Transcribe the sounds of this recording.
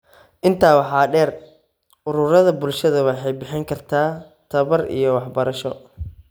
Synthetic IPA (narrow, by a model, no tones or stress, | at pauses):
ʔɪnt̪ʰaːwɑħɑːɖɛːr | ʊɾʊɾɐðɐbʊlʃɐðɐwɑħɑjbɪħɪŋkʰɐrt̪ʰaː | t̪ʰɐβɐrḭjɔwɑħbɐɾɐʃɔ